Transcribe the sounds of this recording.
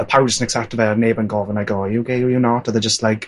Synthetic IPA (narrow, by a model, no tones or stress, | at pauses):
əpʰawd͡ʒəsənɛksɛp̚təvaəneːbə̃nɡɔvənajɡojəɡeujənɔtəðəd͡ʒəstlajk